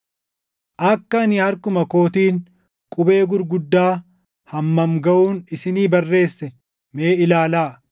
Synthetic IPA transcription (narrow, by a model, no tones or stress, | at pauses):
ʔɐkːɐnɪhɐɾkʊmɐko̞ːt̪iːŋ | kʼʊbe̞ːɡʊɾɡʊd̪ːaː | hɐmːɐmɡɐʔuːnɪsɪniːbɐrːe̞ːsːɛ | me̞ːɪlaːlaː